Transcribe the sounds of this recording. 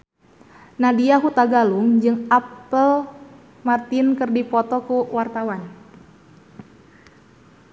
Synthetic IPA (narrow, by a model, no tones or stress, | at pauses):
nadiaɦut̪aɡaluŋd͡ʒɨŋapəl | mart̪inkɨrdipɔt̪ɔkuwart̪awan